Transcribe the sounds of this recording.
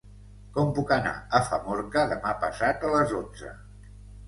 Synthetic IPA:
kɔmpukəna̰əfəmɔɾkəðəmapəsat̪ələzond͡zə̰

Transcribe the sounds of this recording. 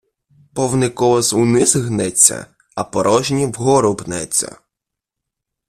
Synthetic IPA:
pɔwnɪkɔʋɔzunɪzɦnɛt͡sʲːɐ̰ | ɐpɔɾʔɔʒnʲiwɦɔɾʊpnɛt͡sʲːɐ̰

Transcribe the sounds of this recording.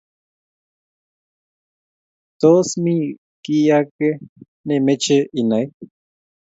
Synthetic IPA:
t̪osmĩ | kiake | nemet͡ʃeʔinai

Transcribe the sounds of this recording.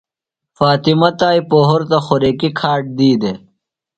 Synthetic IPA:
faːt̪imɐt̪aːipoːɦoɾt̪ɐxoɾeːkikʰaːʈ̚d̪iːd̪e

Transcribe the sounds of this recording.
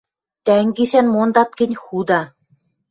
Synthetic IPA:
t̪æŋɡiʃænmond̪ɑt̪̚kɘ̆nʲxud̪ɑ

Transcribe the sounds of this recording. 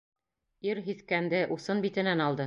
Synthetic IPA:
iɾɦiθkænd̪ɘʔusɤnbit̪ɘ̆nænɑlˠd̪ɤ

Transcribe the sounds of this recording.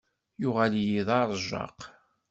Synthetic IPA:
jʊʁæljiðˤɑɾˤʒɑ̰q

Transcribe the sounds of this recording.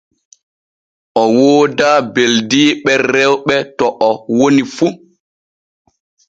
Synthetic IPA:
ʔɔwoːdaːbeldiːɓɛɾɛwɓɛtɔʔɔwonifu

